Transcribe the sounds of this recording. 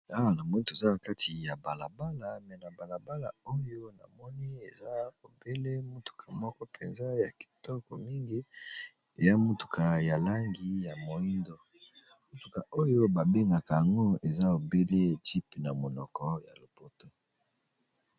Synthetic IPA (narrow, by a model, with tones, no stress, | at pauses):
a˦wa˨na˨mo˨˦do˨e˨za˦na˨ka˦tʰi˨ja˨ba˨la˨ba˦la˨mɛ˨na˨ba˨la˨ba˦la̰˨o˦jo˦na̰˨mɔ˦ni˦e˨za˦o˨be˦le˦mo˦tu̥˨kʰa˨mɔ˦kɔ˦pʰe˨nza˦ja˨ki̥˨tɔ˦kɔ˨mi˦ŋɡi˦ | e˨ja˦mo˦tu̥˨kʰa˨ja˨la˦ŋɡi˨˦ja˨mo˨i˦ndo˨ | mo˦tu˨ka˨ʔo˦jo˦ba˨be˦ŋɡa˨ka˨ja˨ŋɡo˦e˨za˦o˨be˦le˦e˨ti˦pna˨mo˨nɔ˨kɔ˦ja˨lo˨po˦to˦